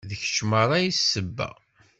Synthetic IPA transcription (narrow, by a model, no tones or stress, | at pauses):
ðəç̥ʃməɾˤɑjissəbːæ̰